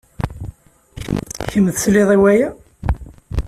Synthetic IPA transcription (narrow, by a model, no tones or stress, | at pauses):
çəmðslɪðˤiwæjæ